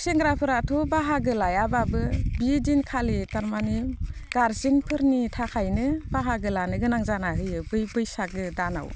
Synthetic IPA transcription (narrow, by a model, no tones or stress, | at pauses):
seŋɡɾapʰɯɾatʰubaɦaɡɯlajababɯbidinkʰalitaɾmaniɡ̥aɾziŋpʰɯɾnitʰakʰajnɯbaɦaɡɯlanɯɡɯnaŋzanaɦɯjɯbɯjbɯjsak̚ɯdana̰w